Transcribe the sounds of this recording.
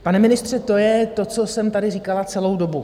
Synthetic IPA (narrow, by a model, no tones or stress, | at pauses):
panɛmɪnɪst̪r̝̥ɛt̪o̞jɛt̪o̞t͡so̞sɛmt̪adɪriːkalat͡sɛlo̞wdo̞bu